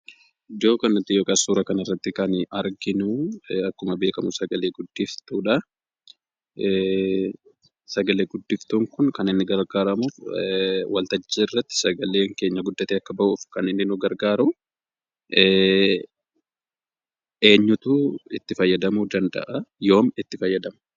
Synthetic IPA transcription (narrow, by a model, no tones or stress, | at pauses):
d̪o̞ːkɐnʊt̪ːɪjoːkɐsuːɾɐkɐnɪrːɐt̪ːɪkɐnɐɾɡɪnuːɐkːʊmɐbe̞ːkɐmʊsɐɡɐle̞ːɡʊd̪ːɪft̪uːᶑɐ | sɐɡɐle̞ːɡʊd̪ːɪft̪uːŋkʊnkɐnɪnːɪɡɐɾɡaːɾɐmuːf | wɐlt̪ɐd͡ʒːeːɪrːɐt̪ːɪ̥sɐɡɐle̞ːŋke̞ːɲːɐɡʊd̪ːɐt̪eːɐkːɐbɐʔuːfkɐnɪnːɪnʊɡɐɾɡaːɾʊ | ʔe̞ːɲːʊt̪uɪt̪ːɪfɐjːɐd̪ɐmuːd̪ɐnd̪ɐ̰ʔɐjo̞ːmɪt̪ːɪfɐjːɐd̪ɐmɐ̥